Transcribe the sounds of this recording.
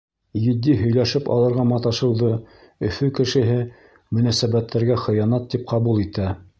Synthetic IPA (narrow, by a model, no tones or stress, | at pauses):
jɘ̆d̪ːiɦɵ̆jlæʃɘpɑ̰lˠɤ̆ɾʁɑmɑt̪ɑʃɤ̆wðɤ | ɵ̆fɵkɘ̆ʃɘ̆ɦɘ | mɵ̆næsæβæt̪ːæɾɡæχɤ̆jɑnɑt̪ːip̚qɑβulˠit̪æ